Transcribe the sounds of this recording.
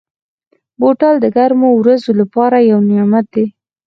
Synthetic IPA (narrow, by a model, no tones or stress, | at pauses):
boʈɑld̪əɡaɾmowɾazolapɑɾajawnɪjɑmat̪̚d̪e